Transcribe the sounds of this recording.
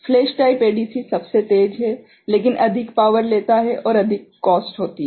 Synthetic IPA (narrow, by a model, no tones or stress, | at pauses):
fleːʃʈaːipeːɖiːsisɐbset̪eːd͡ʒɦɛ | leːkɪnʔɐd̪ʱɪkpaːʋəɾleːt̪aɦɛʔɔːɾɐd̪ʱɪkːɔːsʈɦoːt̪i